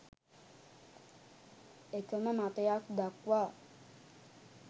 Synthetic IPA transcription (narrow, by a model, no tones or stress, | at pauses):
ekəməmat̪əjakd̪akwa